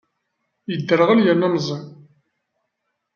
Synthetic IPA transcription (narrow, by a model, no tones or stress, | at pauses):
jəd̪ːəɾəʁaljænːɑmzˤi